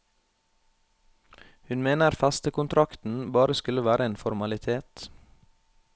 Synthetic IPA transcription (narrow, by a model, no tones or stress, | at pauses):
hʉnmeːnəɾfæst̪əkʊnt̪ʰɾɑkt̪n̩bɑːɾəskʉləʋæːɾʔəeːnfɔɾmɑlɪt̪ʰeːt̪